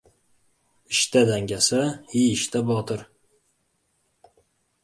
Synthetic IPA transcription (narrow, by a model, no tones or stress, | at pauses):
ɪʃt̪ad̪aŋɡʲasahiɪʃt̪ʰabɒt̪ʰɨɾ